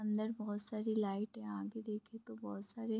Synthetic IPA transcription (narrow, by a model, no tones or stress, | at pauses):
ɐ̃nd̪əɾbɔːt̪saːɾilaːɪʈɦɛ̃ãːɡed̪eːkʰet̪obɔːt̪saːɾe